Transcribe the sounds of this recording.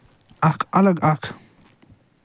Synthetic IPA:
akʼalaɡakʰ

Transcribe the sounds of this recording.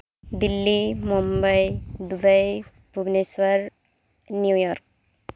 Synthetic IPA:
d̪ilːimumbajd̪ubaj | bʱubneswaɹ | nijujɔɾk̚

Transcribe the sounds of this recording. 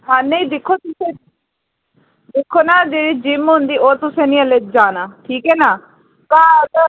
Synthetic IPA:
ɦãːnəĩːd̪ɪkʰːoːt̪ʊseː | d̪ekʰːoːnaːd͡ʒeːɽiːd͡ʒɪmɦʊnd̪iːoːt̪ʊsẽːnĩːəleːd͡ʒaːnaːʈʰiːkɦɛːnaː | kãːt̪

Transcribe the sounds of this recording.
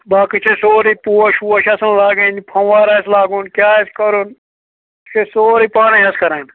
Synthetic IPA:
baːkit͡ʃʰesoːɾiːpuːɐʃuːɐʃɐsɐnlaːɡẽnipʰɐ̃ʋaːɾaslaːɡuːnkjaːeskəɾun | t͡ʃʰesoːɾiːpaːnẽːɦɐskɐɾaːn

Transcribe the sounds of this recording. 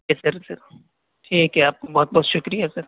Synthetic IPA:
ɛsɐɾsɐɾ | ʈʰiːkɦɛaːp̚kobɔːt̪̚bɔːt̪ʃʊkɾijasɐɾ

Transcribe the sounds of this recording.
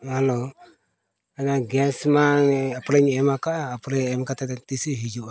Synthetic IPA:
halo | anaɡɛsmaŋapɾɛɲɛmakaʔːpɾɛɛmkat̪at̪ɛt̪isiɦid͡ʒuʔa

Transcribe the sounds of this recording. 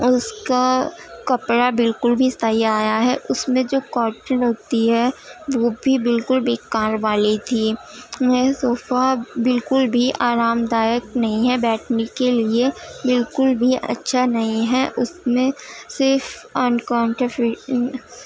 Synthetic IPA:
ʊskakɐpɽabɪlkʊlbʱist̪ʰaːiaːjaɦɛʔʊsmẽd͡ʒoːkɔːɾʈənɦoːt̪iɦɛʋoːbʱibɪlkʊlbeːkaːɾʋaːlit̪ʰiːmɛsoːfabɪlkʊlbʱiʔaːɾaːmd̪aːjəknɐɦĩɦɛbɛːʈʰnikeliebɪlkʊlbʱiʔɐ̰tːʃʰanɐɦĩɦɛʔʊsmẽsɪɾfɐːnkãːɳʈɾəfɪ

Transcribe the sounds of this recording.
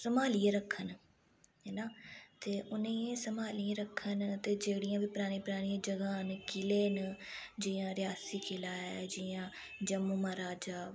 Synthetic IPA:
səmaːliãːɾəkʰən | ɦɛːnaːt̪eːʔʊnẽẽsəmaːlɪjãːɾəkʰːənt̪eːd͡ʒeːɽijãːbiːpʊɾaːɽ̃iːpʊɾaːɽ̃ijãːd͡ʒəɡãːnkɪleːnd͡ʒiːãːɾɪjaːsiːkɪlaːɛd͡ʒɪjãː | d͡ʒəmuːmaːɾaːd͡ʒaː

